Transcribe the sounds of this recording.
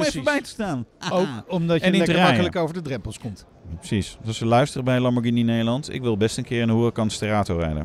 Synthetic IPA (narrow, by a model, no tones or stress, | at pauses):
mɛbɛjtə̥staːnowkɔmdɑnimɑkələkowvəɹdədrɛmpəlˠskɔmt | pə̥sissɔsəlœɥstərəbɛjlɑmbəɹɡininejdəlɑntɪ̰kʋɪlˠbɛstənkɪːrɪnəɦurəkɑnstəraːtorɛ̰jdə̰n